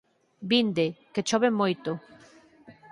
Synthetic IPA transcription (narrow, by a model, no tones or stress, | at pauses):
bind̪eket͡ʃɔβemːojt̪o